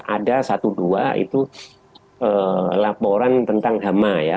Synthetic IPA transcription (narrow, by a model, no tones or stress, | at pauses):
adasat̪uduaḭt̪u | əːlapoɾant̪ənt̪aŋɦamaja